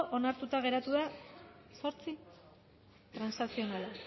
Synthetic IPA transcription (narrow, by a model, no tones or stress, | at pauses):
ʔo̞naɾt̪ut̪aɣe̞ɾat̪uða | so̞ɾt͡si | t̪ɾansasio̞nala